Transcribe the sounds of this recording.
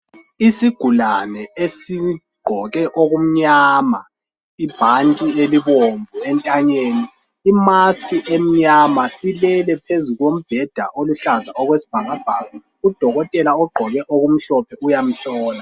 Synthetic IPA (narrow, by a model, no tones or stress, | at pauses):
isiɡ̥ʱulanɛesiɡ͡ǃʱɔɣɛʔoɣum̩ɲaːma | ib̥ʱantʼieliβoɱvʱuɛntʼaɲeːniː | maskʼiʔem̩ɲamasilɛlɛpʰezuɣom̩b̥ʱɛd̥ʱa̰ʔoluɬazaɔɣwesi̥b̥ʱaɣab̥ʱaːɣa | ud̥ʱɔɣɔtʼɛlaɔɡ͡ǃʱɔɣɛʔoɣum̩ɬɔpʰɛujam̩ɬɔːna